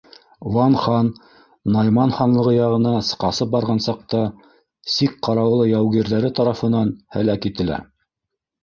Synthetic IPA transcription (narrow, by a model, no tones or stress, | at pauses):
wɑnχɑnː | ɑjmɑnχɑnlˠɤ̆ʁɤjɑʁɤ̆nɑsɤ̥qɑsɤp̚bɑɾʁɑnsɑq̚t̪ɑ | sik̚qɑɾɑwlˠɤjæwɣiɾðæɾɘt̪ɑɾɑfɤ̆nɑnhæ̰lækit̪ɘ̆læ̰